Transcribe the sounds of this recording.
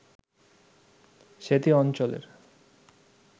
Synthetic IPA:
ʃet̪iɔnt͡ɕolḛɾ

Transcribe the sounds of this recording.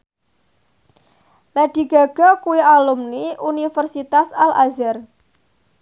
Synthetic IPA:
laɖ̪̥i̤ɡ̥a̤ɡ̥ɔ̤kuwialumniʔunifərsit̪asalʔazɛr

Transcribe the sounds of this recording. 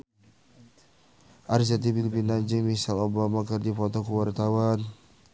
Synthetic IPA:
ʔaɾizat̪̬ibilbinad͡ʒəŋmisalobamakərdipɔt̪ɔkəwart̪awan

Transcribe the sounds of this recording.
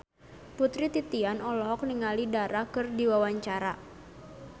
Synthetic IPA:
put̪ɾit̪it̪ianɔlɔɦɔk̚niŋalidaɾakɨrdiwawaɲt͡ʃaɾa

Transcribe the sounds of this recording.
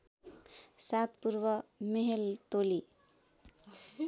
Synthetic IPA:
sat̪puɾʋʌmeɦelt̪oli

